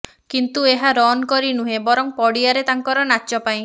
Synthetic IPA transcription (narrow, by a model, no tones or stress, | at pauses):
kint̪ueɦaɾɔnkɔɾinuɦẽbɔɾɔŋpɔɽijaɾet̪aŋkɔɾɔnat͡ʃɔpaĩ